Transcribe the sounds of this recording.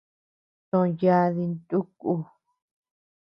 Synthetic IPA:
t̪õ˧ja˦˧ði˧nt̪u˦ku˧

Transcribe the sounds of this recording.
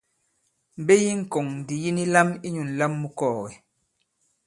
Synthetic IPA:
m̩˨be˦ji˦ŋ̩˨kɔ˨ŋdi˨ji˦ni˦la˦mi˦ɲu˨n˨la˦mːu˦kɔː˦˨ɣɛ˨

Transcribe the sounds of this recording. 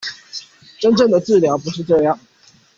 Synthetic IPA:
ʈ͡ʂə˦nʈ͡ʂɤə˥˩ŋd̪ə˩t͡sɹ̩˥˩ljɑ˨˥ʊpu˨˦˥ʂɻ̩˥˧ʈ͡ʂɤ˥˧jɑ˥˩ŋ

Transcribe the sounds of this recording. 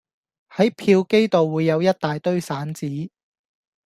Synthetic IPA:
hɐ˨˥jpʰiː˧wke˥jt̪o˨wːuː˨˧jːɐ˨˧wjɐ˥t̚t̪aː˨jt̪ɵ˥ɥsaː˨˥nt͡siː˨˥

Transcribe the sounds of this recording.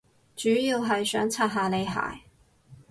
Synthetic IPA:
t͡ʃyː˨˥jiː˧wɦɐ˨jsœ̰ː˨˥ŋt͡sʰaː˧t̚ɦaː˨le˨˧jɦa̰ː˨j

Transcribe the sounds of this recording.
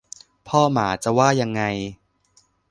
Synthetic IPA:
pʰɔː˥˩maː˩˦t͡ɕa˨˩waː˥˩ja˧ŋːa˧j

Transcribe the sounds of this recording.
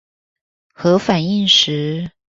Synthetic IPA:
xɤ˧˥fa˨˩ni˥˩ŋʂɻ̩˧˥˦

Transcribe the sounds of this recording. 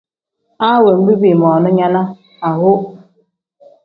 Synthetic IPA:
a˦we˨ŋ͡m̩˦ɡ͡bi˦bi˨mɔ˨nʊ˦ɲa˦na˦ | a˨ɦʊ˦

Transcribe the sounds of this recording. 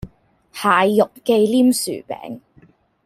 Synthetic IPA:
haː˨jːʊ˨k̚ːke˧jliː˥msy̰ː˨˩pɛ̰ː˨˥ŋ

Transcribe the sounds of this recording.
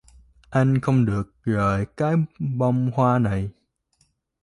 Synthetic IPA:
ʔa˧jŋ̟xə˧wŋ͡mɗɨ˨˩ək̚zəː˨˩jkaː˨˦jɓɔ˧wŋ͡mhwaː˧na˨˩j

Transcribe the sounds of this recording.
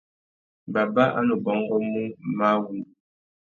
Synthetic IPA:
ba˨ba˦ʔa̰˦no˨bɔ˨˦ŋ˦ɡɔ˦mu˦ma˦wu˦˨

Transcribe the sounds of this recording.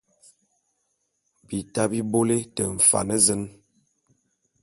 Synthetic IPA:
bi˨ta˦bi˦bo˦le˦tə˨ɱ̩˨fa̰˨nə˦zə˦n

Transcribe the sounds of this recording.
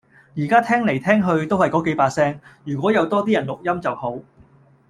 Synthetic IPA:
jiː˨˩kaː˥t̪ʰɛː˥ŋle˨˩jt̪ʰɛː˥ŋɦɵ˧ɥt̪o˥whɐ˨jkɔː˨˥ke˨˥jpaː˧sɛː˥ŋjyː˨˩kʷɔː˨˥jɐ˨˧wt̪ɔː˥t̪iː˥jɐ˨˩nlʊ˨k̚jɐ˥mt͡sɐ˨who˨˥w

